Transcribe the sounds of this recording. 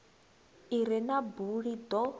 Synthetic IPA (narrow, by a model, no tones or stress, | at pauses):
iɾɛnabuɺid̪ɔ